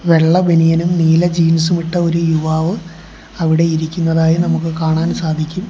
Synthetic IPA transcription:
ʋe̞ɭːɐbenijɐnumniːlɐd͡ʑiːnɐsumiʈːɐo̞ɾujuʋaːʋɨ | ɐʋiɽe̞iɾikʲːunːɐðaːjinɐmukːɨkaːɳaːnsaːd̪ʱikʲːum

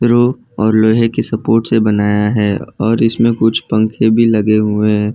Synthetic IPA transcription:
ɾoː | ɔːɾloːɦekesɐpoːɾʈsebɐnaːjaɦɛːɔːɾɪsmẽkʊt͡ʃʰpɐ̃ŋkʰebʱilɐɡeɦʊeɦː

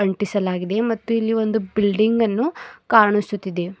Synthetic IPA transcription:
ɐɳʈisɐlaːɡid̪e̞mɐt̪ːuilːiʋo̞nd̪ubilɖiŋɡɐnːukaːɾɐɳisut̪ːid̪e̞

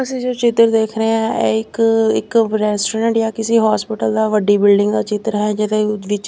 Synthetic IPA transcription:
əsĩːd͡ʒoːt͡ʃɪt̪əɾd̪eːkʰɾəãːɛ̰ːɪkɪkɾɛːsʈɾə̃ːɳʈjaːkɪsiːɦaːspɪʈəld̪aːʋəɖiːbɪlɖɪ̃ŋɡd̪aːt͡ʃɪt̪əɾɦɛːd͡ʒɪd̪eʋɪt͡ʃ

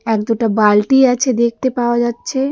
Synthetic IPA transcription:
ɛk̚d̪oʈabalʈiat͡ʃʰed̪ek̚ʰt̪epaad͡ʒad̪̚t͡ʃʰe

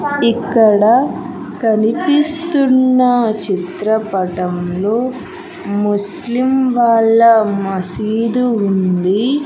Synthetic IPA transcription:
ikːɐɽɐ | kɐnipist̪unːɐt͡ʃit̪ɾɐpɐʈɐmlo̞ː | mus | limʋaːɭːɐmɐsiːd̪uund̪i

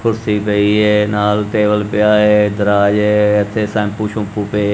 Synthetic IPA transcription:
kʰʊɾsiːpəiːeːnaːlt̪eːbəlpɪaːeːd̪əɾaːd͡ʒeːɪt̪ʰːeːsɛ̃ːmpuːʃʰʊ̃puːpeː

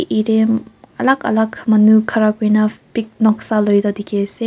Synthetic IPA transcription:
ʔiɾema̰lakʰa̰lakʰmanukʰaɾakinapik̚nɔk̚salojd̪ɔd̪ikese

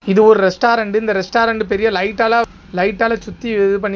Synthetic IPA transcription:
ɪðɯɔɾɯɾɛsʈaːɾɐɳɖɯɪnd̪ɐɾɛsʈaːɾɐɳɖɯpɛɾɪjɐlɐɪʈːaːlaː | lɐɪʈːaːlɐt͡ʃʊt̪ːieðɯp̬ɐɳː

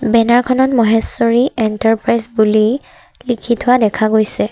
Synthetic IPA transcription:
bɛnaɹkʰɔnɔtmɔɦɛsɔɹiɛntaɹpɹajsbuli | likʰitʰʊwadɛkʰaɡojsɛ

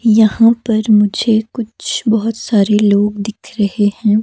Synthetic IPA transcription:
jɐɦãpɐɾmʊd͡ʒʱekʊt͡ʃʰbɐɦʊt̪saːɾeloːɡd̪ɪkʰɾɐɦehɛ̃ː

